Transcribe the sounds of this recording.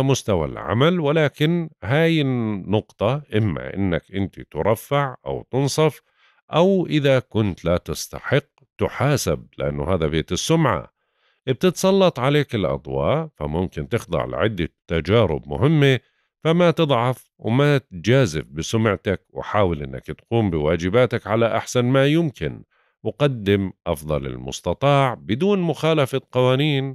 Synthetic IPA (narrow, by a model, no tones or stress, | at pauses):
mʊst̪awa̰lʕa̰malwɪlaːkɪnɦaːjɪːʊqt̪ˤɑʔɪmːa̰ʔɪ̰nːa̰kʔɪnt̪it̪ʊɾˤɑfːaʕʔa̰wt̪ɨnsˤɑf | ʔawʔɪðakʊnt̪lat̪ɪst̪a̰ħɪqː | t̪ʊħaːsab̚lɪʔa̰nːʊɦaːðabeːt̪ɪsːʊmʕa̰ | ʔb̚t̪ɪt̪sˤɑlːɑt̪ˤʕaleːkɪlʔɑ̰d̪ˤwɑ̰ːʕfa̰mʊmkɪnt̪ɪxd̪ˤɑ̰ɾl̰ʕɪd̪ːat̪ːad͡ʒaːɾɪ̰bmʊ̰ɦɪmːe | famat̪ɨd̪ˤʕɑf | wmat̪d͡ʒaːzɪfbɪsʊmʕt̪akwɪ̰ħaːwɪlʔɪnːa̰kt̪quːmbɪwaːd͡ʒɪbaːt̪akʕalaʔaħsanmajʊmkɪn | wɪqad̪ːɪmʔɑfðˤɑlɪ̰lmʊ̰st̪ɑt̪ˤɑːʕbɪd̪uːnmʊxaːlafatqɑwaːniːn